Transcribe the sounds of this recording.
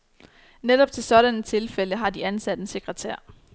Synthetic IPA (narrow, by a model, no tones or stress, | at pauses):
ned̥ɒ̽b̥̚t͡sʰe̝lsɒ̽ɾ̥ænət͡sʰe̝lfeləɦɑ̈d̥iænsæd̥ense̝ɡ̥ʁət͡sʰæɐ̰